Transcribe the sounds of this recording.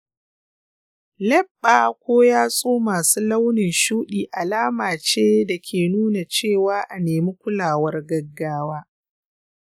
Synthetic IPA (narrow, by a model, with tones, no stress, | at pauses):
lɛ˦bːaː˨kʷoː˦jaː˦sʼoː˦maː˨suː˦la˦wnɪ˨nʃuː˦ɗiː˨ʔa˨laː˦maː˨t͡ʃeː˦da˨kʲʰeː˨nuː˦na˨t͡ʃeː˦˨waː˦ʔa˨neː˨mi˦kʷʊ˦laː˨wɐ˦rɡɐ˦ɡːaː˦waː˦